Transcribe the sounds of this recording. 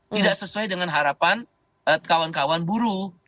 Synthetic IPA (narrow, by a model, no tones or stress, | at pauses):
t̪idaksəsuajdəŋanɦaɾapan | əkawankawanbuɾu